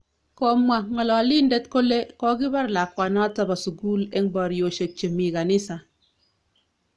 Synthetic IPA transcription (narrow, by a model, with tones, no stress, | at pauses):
kɔ˦mwa˨ŋɔ˨lɔ˨li˦ndɛ˦tko˦le˦kɔ˦ɡi˦ba˦ɾla˨kwa˨na˦ta˦ba˨su˨ɡu˦lɛ˦ŋba˨ɾjo˨ʃe˨t͡ʃe˨mi˨ka˨ni˦sa˨